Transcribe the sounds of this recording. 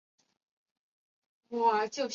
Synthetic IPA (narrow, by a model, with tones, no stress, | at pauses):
wɔ˥˨˩t͡ɕjo˥˩ʊɕ